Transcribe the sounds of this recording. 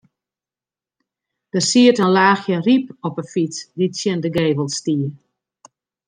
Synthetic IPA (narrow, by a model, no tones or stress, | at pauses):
d̥əsiətənlaːxjəripɔpəfit͡sditsjɛndəɡeːvəlˠstiə